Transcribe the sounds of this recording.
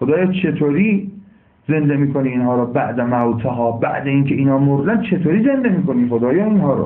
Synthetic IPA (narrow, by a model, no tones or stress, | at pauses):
xod̪ɒːjɒːt͡ʃʰe̞t̪ʰoːɾiː | ze̞nd̪emiːkʰoniːnɦɒːɾɔːbæʔd̪æmæwt̪ʰeɦɒːbæ̰ʔd̪eiːkʰeʔiːnhɒːmoɾd̪ænd̪t͡ʃʰe̞t̪ʰoːɾiːze̞nd̪emiːkoniːχod̪ɒːjɒːiːnɦɒːɾɔ̰